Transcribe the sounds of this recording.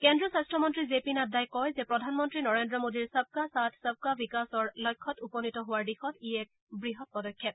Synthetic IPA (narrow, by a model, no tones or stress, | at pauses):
kɛndɹɔsastɹɔmɔntɹizepinadajkɔjzɛpɹɔdʱanmɔntɹinɔɹendɹɔmodiɹsəb̚kasatʰsəb̚kabikasɔɹlɔjkʰːɔtupɔnitɔɦowaɹdixɔtiɛk̚ | bɹiɦɔt̚pɔdɔkʰːɛt̚